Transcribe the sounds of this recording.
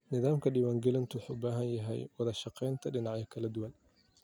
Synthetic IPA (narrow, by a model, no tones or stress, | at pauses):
nɪðaːmkʰɐɖiːwaːŋɡɛlɐnt̪ʰʊwħuːbaːɦɐnjɐɦɛ̰jwɑðɐʃɑqɛjnt̪ʰɐɖɪnɑʕjɐkʰɐlɐd̪ʊwan